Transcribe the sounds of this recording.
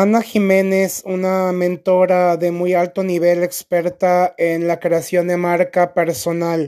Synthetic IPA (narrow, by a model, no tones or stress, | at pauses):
anaximẽ̞ne̞sunamẽ̞nt̪o̞ɾaðe̞mujalt̪o̞niβe̞lekspeɾt̪aenlakɾeasjo̞nd̪e̞maɾkape̞ɾso̞nal